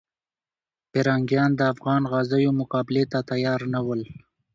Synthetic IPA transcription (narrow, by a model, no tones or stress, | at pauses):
peɾɑŋɡjɑnd̪əafɣɑːnɣɑzajomʊqɑbɪlet̪at̪ajɑːɾnawəl